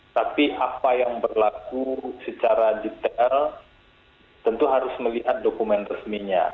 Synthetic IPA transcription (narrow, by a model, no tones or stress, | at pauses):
t̪apiʔapajaŋbərlakusət͡ʃaɾadit̪ɛl | t̪ənt̪uɦaɾʊsməliɦat̪̚dokumɛnrəsmiɲa̰